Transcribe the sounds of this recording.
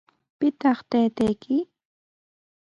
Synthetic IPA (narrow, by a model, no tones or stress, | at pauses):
pɪt̪ɑχt̪ajt̪ajkʰɪ